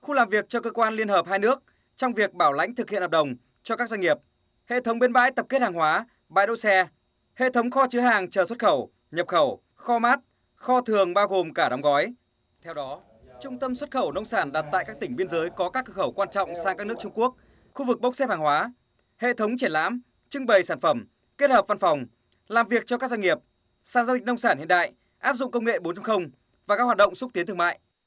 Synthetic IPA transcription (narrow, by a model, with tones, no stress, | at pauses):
xu˧laː˨˩mvi˨˩ək̚t͡ɕɔ˧kəː˧kwaː˧nli˧ənhəː˨˩p̚haː˧jnɨ˦˥ək̚ | t͡ɕɔ˧wŋ͡mvi˨˩ək̚ɓaː˧˩wla̰˧˥jŋ̟t̪ʰɨ˨˩khḭ˧˨nhə˨˩ɗə˨˩wŋ͡m | t͡ɕɔ˧kaː˦˥k̚za˧ŋi˨˩əp̚ | hḛ˧˨t̪ʰə˨˦wŋ͡mɓe˧nɓa̰ː˧˥jt̪ə˨˩p̚ke˦˥t̚haː˨˩ŋhwaː˨˦ | ɓa̰ː˧˨jɗo̰˧˨wsɛ˧ | hḛ˧˨t̪ʰə˨˦wŋ͡mxɔ˧t͡ɕɨ˨˦əɦaː˨˩ŋt͡ɕəː˨˩swə˦˥t̚xə˧˩w | ɲə˨˩p̚xə˧˩w | xɔ˧maː˦˥t̚ | xɔ˧t̪ʰɨ˨˩əŋɓaː˧wɣo˨˩mkaː˧˩ɗɔ˨˦wŋ͡mɣɔ˨˦j | t̪ʰɛ˧wɗɔ˨˦ | t͡ɕʊ˧ŋ͡mt̪ə˧mswə˦˥t̚xə˧˩wnə˧wŋ͡msaː˧˩nɗa˨˩t̚t̪a̰ː˧˨jkaː˦˥k̚t̪ï˧˩ŋɓi˧ənzəː˨˦jkɔ˨˦kaː˦˥kːkxə˧˩wkwaː˧nt͡ɕɔ̰˧˨wŋ͡msaː˧ŋkaː˦˥k̚nɨ˦˥ək̚t͡ɕʊ˧ŋ͡mku˦˥ək̚ | xu˧vɨ˨˩k̚ɓə˦˥k͡p̚sɛ˦˥p̚haː˨˩ŋhwaː˨˦ | hḛ˧˨t̪ʰə˨˦wŋ͡mt͡ɕi˧˩ənla̰ː˧˥m | t͡ɕɨ˧ŋɓə˨˩jsaː˧˩nfə˧˩m | ke˦˥t̚həː˨˩p̚va˧nfa˨˩wŋ͡m | laː˨˩mvi˨˩ək̚t͡ɕɔ˧kaː˦˥k̚zwa˧ŋi˨˩əp̚ | saː˧˩nza˧ɗï̟˨˩nə˧wŋ͡msaː˧˩nhḭ˧˨əɗa̰ː˧˨j | ʔaː˦˥p̚zʊ̰˧˨ŋ͡mkə˧wŋ͡mŋḛ˧˨ɓo˨˦nt͡ɕa˧ŋxə˧wŋ͡m | vaː˨˩ka˦˥k̚waː˨˩tɗə̰˧˨ŋ͡msʊ˦˥t̪i˨˦t̪ʰɨ˧ə˧˨ma̰ː˧˨jʔ